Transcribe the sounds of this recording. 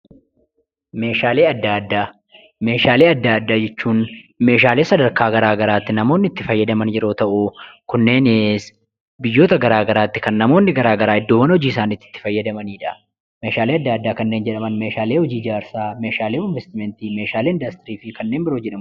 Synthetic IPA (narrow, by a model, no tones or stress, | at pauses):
me̞ːʃaːleːɐd̪ːaːɐd̪ːaː | me̞ːʃaːleːɐd̪ːaːɐd̪ːaːd͡ʒɛt͡ʃːuːnme̞ːʃ̬aːle̞ːsɐd̪ɐɾkaːɡɐɾaːɡɐɾaːt̪ːɪnɐmo̞ːnːɪɪt̪ːɪfɐjːɐd̪ɐmɐnjɛɾo̞ːt̪ɐʔukʊnːe̞ːnes | bɪjːo̞ːt̪ɐɡɐɾaːɡɐɾaːt̪ːɪ̥kɐnːɐmo̞ːnːɪɡɐɾaːɡɐɾaːɪd̪ːoːwɐnhɔd͡ʒiːɪs̬aːniːt̪ːɪ̥t̪ːɪ̥fɐjːɐd̪ɐmɐniːᶑɐ | meːʃaːleːɐd̪ːaːd̪ːaːkɐnːe̞ːnd͡ʒɛᶑɐmɐnmeːʃaːleːhɔd͡ʒiːɪd͡ʒaːɾsaːme̞ːʃaːleːɪnvɛst̪ɪmɛnt̪iːmeːʃaːleːɪnd̪ɐst̪ɪɾiːfɪkɐnːe̞ːnbɪɾo̞ːd͡ʒɛᶑɐm